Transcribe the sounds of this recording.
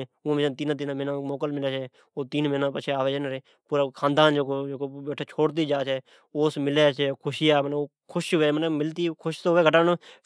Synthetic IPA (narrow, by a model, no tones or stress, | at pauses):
ʊ̃md͡ʒat̪iːnãːt̪̬iːnãːmenãːmoːkəlmɪleːt͡ʃʰɛː | oːt̪iːnmenãːpət͡ʃʰeːaːʋeːd͡ʒənɾeː | puːɾaːkʰãːnd̪aːnd͡ʒoːkoːd͡ʒoːkobɛːʈʰeːt͡ʃʰoːɽt̪iːd͡ʒaːt͡ʃʰɛː | oːsmɪleːt͡ʃʰɛːkʰʊʃɪjaːmənːoː | kʰʊʃʋeːmənemɪlt̪iːkʰʊʃt̪oːʋeːɡʱəʈaːnõ